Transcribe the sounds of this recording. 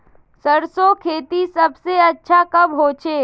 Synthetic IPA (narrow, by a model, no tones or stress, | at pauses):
səɾsokʰeːt̪isɐbseɐtːʃʰakɐbɦoːt͡ʃʰeː